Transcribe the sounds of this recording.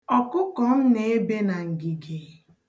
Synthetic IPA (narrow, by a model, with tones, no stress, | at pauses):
ɔ˨kʊ˦kɔ˨m̩˦ne˨˦e˦be˦na˨ŋ̩˨ɡi˨ɡe˨